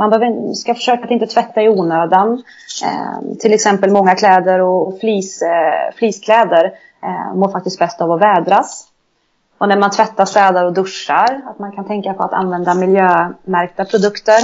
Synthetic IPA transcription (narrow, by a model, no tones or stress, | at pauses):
manbɛhøːvəɪskafœ̥ʂøːkat̪ɪnt̪ət̪ʰvɛt̪ːaɪuːnøːd̪an̰ | t̪ʰɪlɛksɛmpəlmɔŋːakʰlɛːd̪əɾɔfliːsfliːskʰlɛːd̪əɾ | moːɾfak̚t̪ɪst̪̚bɛst̪avɔvɛːd̪ɾas | ʔɔnæɾmant̪ʰvɛt̪ːast̪ɛːd̪aɾɔd̪ɵʂːaɾat̪mankʰant̪ʰɛŋkapʰɔat̪a̰nvɛnd̪amɪljøːmæɾk̚t̪apʰɾʊd̪ɵkt̪əɾ